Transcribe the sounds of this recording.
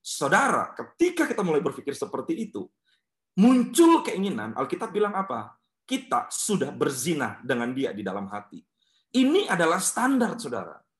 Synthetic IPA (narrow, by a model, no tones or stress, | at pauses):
sawdaɾa̰kət̪ikakit̪amulajbərfikɪrsəpərt̪iːt̪u | muɲt͡ʃʊlkəiŋina̰nʔa̰lkit̪ap̚bilaŋapa | kit̪a̰sudahbərzinadəŋandia̰didalamɦat̪i | iniʔadalahst̪andart̪̚sawda̰ɾa̰